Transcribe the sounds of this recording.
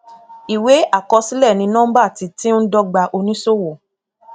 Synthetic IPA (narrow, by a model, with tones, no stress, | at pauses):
i˨we˨˦ʔa˦˨kɔ˧si˦lɛ˦˨nĩ˧˦nɔ̃ː˦ba˦˨ti˨˧ti˦n̩˦dɔ˧ɡ͡ba˧ʔo˧nĩ˦so˦wo˨